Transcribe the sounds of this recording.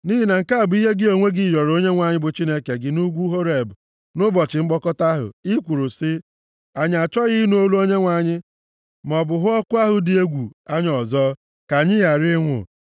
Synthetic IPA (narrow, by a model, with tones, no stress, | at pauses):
ni˦ɦi˦na˨ŋ̩˨ka˦a˨bʊ˨˦i˦ɦe˦ɡɪ˦o˨ŋʷe˦ɡɪ˦˨jɔ˨ɾo˦ɲe˦ŋʷa˨ɲɪ˦bʊ˨t͡ʃi˦ne˦ke˨ɡɪ˨nu˦ɡʷu˦ɦo˦ɾe˨bʊ˨ | nʊ˦bɔ˨t͡ʃɪ˨ŋ͡m̩˦ɡ͡bɔ˦kɔ˦ta˦ɦʊ̰˨i˦kʷu˨ɾʊ˨sɪ˦ | a˨ɲ˨a˨t͡ʃɔ˦ɣɪ˦nu˨˦o˦lu˦o˦ɲe˦ŋʷa˨ɲɪ˦ | m˨ɔ˨bʊ˨ɦʊ˦ɔ˦kʊ˦a˦ɦʊ˨dɪ˨e˦ɡʷu˨a˦ɲ˦ɔ˨zɔ˦ | ka˨ɲɪ˦ja˨ɾɪ˦ŋʷʊ̰˨